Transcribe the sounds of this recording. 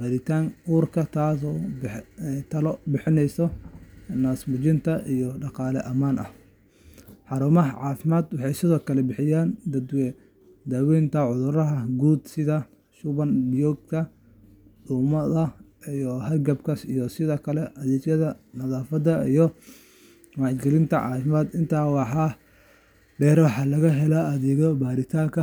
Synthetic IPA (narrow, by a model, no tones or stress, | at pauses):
hɐɾɪt̪ʰaːŋʔuːrkʰɐt̪ʰaːsɔːbɛt̪ʰɐlɔbɪħɪnɛjsɔ | naːsmʊt͡ʃɪnt̪ʰɐijɔɖɑqɑːlɛʔɐmaːnʔɐ̰h | ħɑɾuːmɐɦɐʕɑːfɪmaːd̪wɑħɑjsɪðɔːkʰɐlɛbɪħɪjaːnd̪ɐd̪wɛ | d̪aːwɛːnt̪ʰɐʕʊðʊɾɐɦɐɡuːd̪sɪðɐ | ʃʊβɐnbjɔɡ̚kʰɐ | ɗʊːmɐðɐijɔhɐrɡɐbkʰɐsḭjɔsɪðɔːkʰɐlɛʔɐðɛːt͡ʃɐðɐnɐðaːfɐd̪ɐijɔ | mɑʕt͡ʃɡɛlɪnt̪ʰɐ̰ʕɑ̰ːfɪmaːd̪ɪnt̪ʰaːwɑħɑː | ɖɛːɾwɑħɑːlɐɣɐɦɛlaɐðɛːɣɔbaːɾɪt̪ʰaːŋkʰɐ